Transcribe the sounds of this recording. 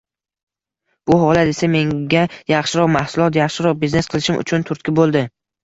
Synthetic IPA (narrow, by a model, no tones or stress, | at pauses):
b̥ʊɦɒlˠat̪e̞same̞ŋɡʲajɑχʃɪɾɒqmahsʊlˠɒt̪jɑχʃɪɾɒq̚bizne̞sqʰɨlˠɪʃɪmʔʊ̰t͡ʃʰʊnt̪ʰʊɾt̪̚kʲɪbolˠd̪ɪ